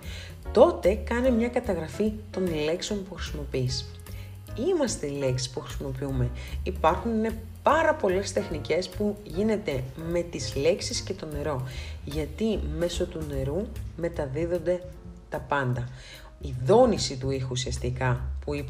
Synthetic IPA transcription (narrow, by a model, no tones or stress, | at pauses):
t̪o̞t̪e̞kɐnemɲɐkɐt̪ɐɣɾɐfit̪o̞nle̞kseo̞npuxɾisimo̞piis | imɐst̪e̞ile̞ksi̥spuxɾisimo̞piume̞ipɐɾxunne | pɐɾɐpo̞le̞st̪e̞xnice̞spuʝine̞t̪e̞me̞t̪izle̞ksisce̞t̪o̞ne̞ɾo̞ʝɐt̪ime̞so̞t̪une̞ɾume̞t̪ɐðiðo̞nd̪e̞ | t̪ɐpɐnd̪ɐ | iðo̞nisit̪uixusiɐst̪ikɐpuip